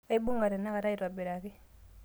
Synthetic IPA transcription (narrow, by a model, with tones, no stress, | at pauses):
ka˦i˦bu˦ŋɡa˨ɾɛ˨nːa˦ka˨ta˦i˨ta˨bɛ˨ɾa˨ki˦